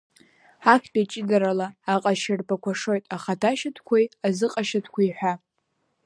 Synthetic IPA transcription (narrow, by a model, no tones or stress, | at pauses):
akʰbʼat͡ʃʼɪdaɾalaːqʼaʃarbakʷaʂojtʼaχatʰaʃatʰkʷʰajazɨqʼaʃatʰkʷʰaiħʷᶣa